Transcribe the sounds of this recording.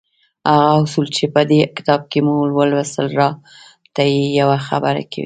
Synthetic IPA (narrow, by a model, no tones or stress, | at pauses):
haɣaʊsult͡ʃepəd̪ekɪ̥t̪ɑb̚kemulwəlwasəlɾɑ | t̪ajejawaxabəɾa̰kʰa̰wḭ